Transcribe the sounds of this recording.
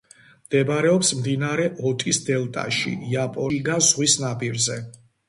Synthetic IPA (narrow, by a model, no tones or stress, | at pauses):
md̪̥ɛbaɾɛɔpsmd̪inaɾɛʔɔt̪ʼisd̪ɛlˠt̪ʼa̰ʃḭjapʼɔɡanzʁwisnabʼiɾzɛ